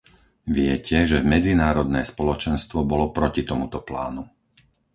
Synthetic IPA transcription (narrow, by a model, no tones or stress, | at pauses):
ʋɪɛcʰɛʒɛmɛd͡zinaːɾɔd̪nɛːspɔlɔt͡ʃɛnst̪ʋɔbɔlɔpɾɔcit̪ɔmut̪ɔpla̰ːnu